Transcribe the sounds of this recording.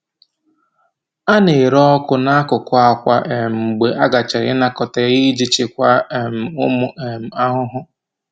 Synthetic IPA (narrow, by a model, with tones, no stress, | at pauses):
a˦ne˨ɾɔ˦kʊ˦na˦a˦kʊ˨kʷʊ˦a˨kʷa̰˦ʔe˨mŋ͡m̩˨ɡ͡be˨ʔa˦ɡa˨t͡ʃa˨ɾɪ̰˦na˦kɔ˨ta˨˦i˦d͡ʒi˦t͡ʃɪ˦kʷa˦˨m̩˨ʊ˦mʊ˦e˨m̩˨a˦ɦʊ˦ɦʊ˦